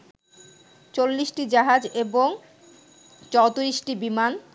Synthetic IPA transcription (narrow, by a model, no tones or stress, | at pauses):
t͡ɕolːisʈid͡ʑaɦad͡ʑeboŋ | t͡ɕɔwt̪uɾisʈibiman